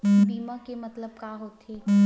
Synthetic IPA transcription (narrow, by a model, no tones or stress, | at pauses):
biːmãkemɐt̪ləb̚kaɦoːt̪eː